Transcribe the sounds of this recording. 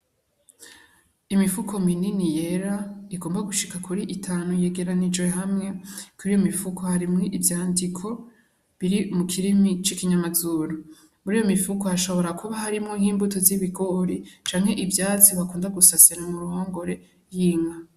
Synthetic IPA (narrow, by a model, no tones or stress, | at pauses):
imifukʰo̞mininije̞ɾaiɡo̞ːmbaɡuʃikakuɾiʔitʰaːnuje̞ɡe̞ɾanid͡ʒwe̞ɦamŋe̞kuɾiːjo̞mifukʰohaɾimŋiʔivjaːndikʰo̞ | βiɾimukʰiɾimit͡ʃikiɲamazuɾo | muɾiːjo̞mifukohaʃo̞βo̞ɾakuβahaɾimŋoŋhiːmbutoziβiɡo̞ɾit͡ʃaːŋhe̞ʔibjaːt͡siβakuːndaɡusasiɾamuɾuhaŋɡo̞ɾe̞ | jiːŋɡa